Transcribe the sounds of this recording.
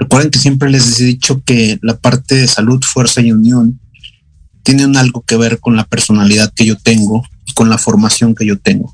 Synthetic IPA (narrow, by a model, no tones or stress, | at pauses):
rekwe̞ɾðeŋkesje̞mp̬ɾelezðsðit͡ʃo̞ke̞lapaɾt̪e̞ðesaluðfwe̞ɾsaiunjõ̞n | t̪je̞neunalɣo̞ke̞β̞e̞ɾkonlape̞ɾso̞naliðaðke̞ʝo̞t̪e̞ŋɡoiko̞nlafo̞ɾmasjo̞ŋke̞ʝo̞t̪eŋɡo